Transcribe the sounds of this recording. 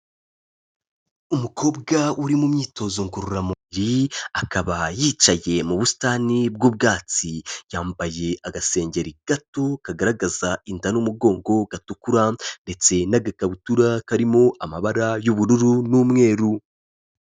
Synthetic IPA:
umukʰo̞ːbɡauɾimumɲiːto̞zoŋkuɾuɾamuβiɾiakaβajiːt͡ʃaje̞muβusi̥taːnib̚ɡuːb̚ɡaːt͡sijaːmbaje̞ʔaɡase̞ːɲɟe̞ɾiɡ̥ato̞kaɡaɾaɡazaindanumuɡo̞ːŋɡo̞ɡatukuɾande̞t͡se̞naɡakaβutuɾakaɾimo̞ʔamaβaɾajuβuɾuɾunuːmŋe̞ːɾu

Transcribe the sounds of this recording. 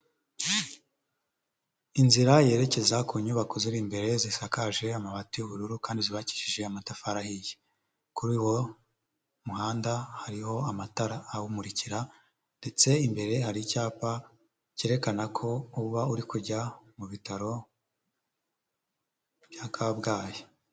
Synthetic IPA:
inziɾaje̞ːɾe̞ce̞zakuɲuβakoziɾiːmbe̞ɾe̞zisakaʒe̞amaβatijuβuɾuɾukaːndiziβaci̥ʃiʒe̞amatafaɾahije | kuɾiːwo̞ | muɦaːndahaɾiho̞amataɾaːwumuɾiciɾa | nde̞t͡se̞imbe̞ɾe̞ɦaɾiicaːpa | ce̞ːɾe̞kanakʰo̞uβauɾikuɟamuβitaɾo̞ | bjakabɡaːje

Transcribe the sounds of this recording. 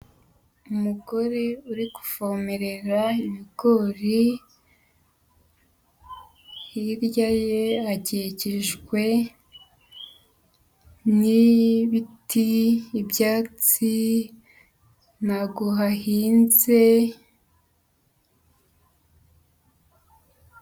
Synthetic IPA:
umuɡo̞ɾeuɾiɡu̥fomeɾe̞ɾaiβiɡo̞ɾi | hiɾjajeaɟeceʒɡwe̞ | niβitʰiːbjaːt͡si | naɡoɦahiːnze̞

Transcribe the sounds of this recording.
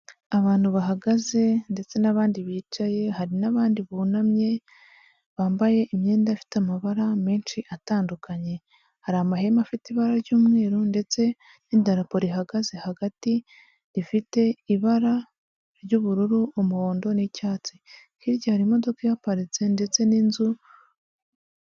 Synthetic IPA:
aβaːn̥huβaɦaɡaze̞nde̞t͡se̞naβaːndiβiːt͡ʃaje̞haɾinaβaːndiβuːnamɲe̞ | βaːmbaje̞ʔimɲe̞ːndafi̥tamaβaɾame̞ːnt͡ʃiʔataːndukaɲe̞ | haɾaːmbahemafitiβaɾaɾɟuːmŋe̞ːɾonde̞t͡se̞ | nidaɾapo̞ɾiɦaɡaze̞haɡati | ɾifite̞iβaɾa | ɾɟuβuɾuɾuumuho̞ːndo̞nicaːt͡si | hiɾɟohaɾimo̞do̞kajapaɾize̞nde̞t͡se̞ninzu

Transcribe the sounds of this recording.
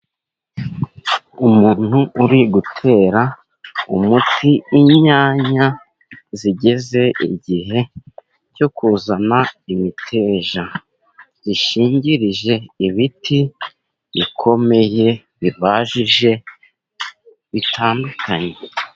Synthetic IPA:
umuːn̥huuɾiɡutʰe̞ːɾa | ṵmutʰiːɲaːɲa | ziɟe̞ze̞ḭɟiɦe̞ | co̞kuzanaimitʰe̞ːʒa | ziʃiːɲɟiɾiʒe̞iβiti | βikʰo̞me̞je̞ | βiβaːʒiʒe̞ | βitʰaːndukʰaɲe̞

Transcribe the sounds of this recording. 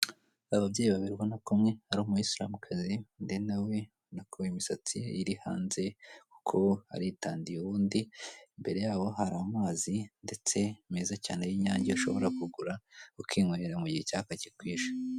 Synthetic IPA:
aβabɟeːjiβaβiɾɡwanakumŋe̞aɾuːmujisla̰ːmukʰazindenawe̞ | nakʰoimisat͡sijiɾiha̰ːnze̞ku̥kʰo̞a̰ɾitaːndijuβuːndimbe̞ɾe̞jaːwo̞ɦaɾamumaːzinde̞t͡se̞meːzacaːnejiɲaːɲɟiuʃo̞̰βo̞ɾakuɡuɾaukʰiːŋweːɾamuɟihecakacikwiːʒa

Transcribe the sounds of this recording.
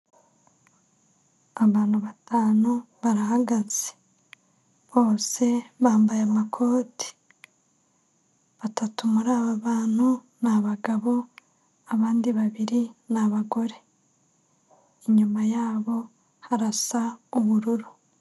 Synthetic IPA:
aβaːn̥huβatʰaːnuβaɾaɦaɡaz̥e̥ | βo̞ːse̞βaːmbajamakʰo̞ːti̥ | βatatumuɾaːβaβaːn̥hu | naβaɡaβo̞ | aβaːndiβaβiɾinaβaɡo̞ɾe̞ | iɲumajaːβo̞ | haɾasauβuɾuɾu

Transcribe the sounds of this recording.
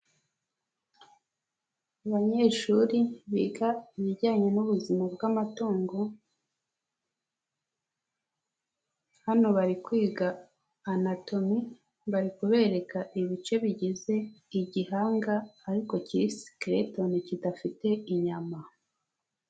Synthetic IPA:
aβaɲe̞ːʃuɾiβḭːɡaiβiɟaːɲe̞nuβuzimabɡamatoːŋɡo̞ | hano̞βaɾikwiːɡaː | nato̞mi | βaɾikuβe̞ːɾe̞kaʔiβit͡ʃe̞βiɟize̞iɟihaːŋɡaːɾiko̞ciɾisi̥kɾeto̞nicidafite̞iɲama

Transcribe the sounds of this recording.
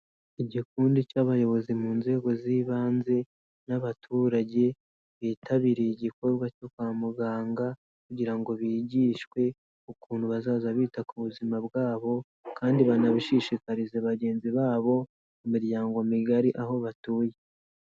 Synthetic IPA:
iɟikuːndicaβajo̞βo̞zimuːnze̞ːɡo̞ziːβaːnze̞ | naβatʰuːɾaɟe̞ | βiːtʰaβiːɾeiɟiko̞ɾɡwacokwaːmuɡaːŋɡa | kuɟiɾaŋɡo̞βiːɟiːʃkwe̞ | ukuːn̤̥huβazaːzaβiːtakuβuzimabɡaːβo̞ | kaːndiβanaβiʃiʃikaɾizeβaɟe̞ːnziβaːβo̞ | mumiɾjaːŋɡo̞miɡaɾiʔaɦo̞βatuːje

